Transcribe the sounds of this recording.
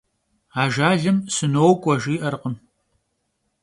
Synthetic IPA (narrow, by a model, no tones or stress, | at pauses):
aːʒaːɮɨmsɨnowkʷʼɔʒiːʔɐɾqəm